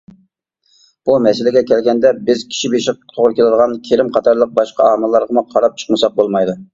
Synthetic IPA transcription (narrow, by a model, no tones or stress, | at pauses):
b̥umɛsɪlɪɡʲɛkʲʰɛlɡʲɛnd̪ɛbɪzkʲʰi̥ʃibeʃɪq̚t̪ʰoʁɾɨkʲelɨd̪əʁɑnkʲʰeɾɪmqʰɑt̪ʰɑɾlˠəq̚bɑʃqɑɑmɨlˠːɑɾʁəmuqʰɑɾɑp̚t͡ʃʰə̥χmɨsɑq̚bolˠmɑjd̪u